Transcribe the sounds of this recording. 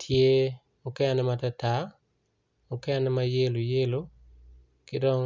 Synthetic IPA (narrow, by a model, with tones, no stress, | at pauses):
tʰje˦ | mʊ˦kɛ˦anɛ˦matata˨ | mʊ˨kɛ˦a˦nɛ˦ma˦je˦lo˨je˦lo˦ | kɪ˦dɔ˦ŋ